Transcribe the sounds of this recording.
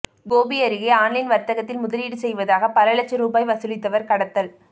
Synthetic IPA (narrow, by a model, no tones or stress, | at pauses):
ɡoːbɪɐɾɪɣeːaːɳlɪnʋɐɾt̪ɐɣɐt̪ːɪlmʊðɐliːɽɯsɛjʋɐðaːɣɐpɐlɐɭɐt͡ʃːɐɾuːbaːjʋɐsɯlɪt̪ːɐʋɐɾkɐɽɐt̪ːɐl